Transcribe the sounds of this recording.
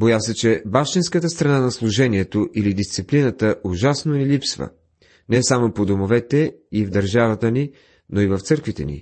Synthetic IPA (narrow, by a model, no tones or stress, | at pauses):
bojasɛt͡ʃɛbafʃt̪inskət̪əst̪ɾɐnanɐslˠʊʒɛniɛt̪oʔilid̪ist̪siplinət̪əʔʊʒasnonɛlipsvə̰ | nɛsamopod̪omovɛt̪ɛivd̪ɐɾʒavɐt̪əni | noivɐft̪sɤɾkvit̪ɛnḭ